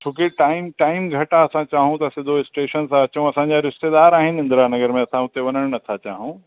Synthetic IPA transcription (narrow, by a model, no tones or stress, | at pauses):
t͡ʃʰũːkeʈaːɪmʈaːɪmɡʱɐʈaɐsãt͡ɕaːɦũt̪ɐsed̪oɪsʈeːʃənsãɐt͡ɕõɐsãɲd͡ʑaɾɪʃt̪ed̪aːɾaːɦɪnɪ̃nd̪ɾanɐɡəɾmẽɐsʰãũt̪eʋɐnəɽ̃nɐt̪ʰat͡ɕaːɦũ